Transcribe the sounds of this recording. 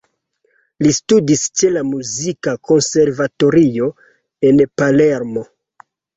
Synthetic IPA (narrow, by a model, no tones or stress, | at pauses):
listudist͡ʃe̞lamuzikako̞nse̞ɾvato̞ɾio̞ | e̞npaleɾmo̞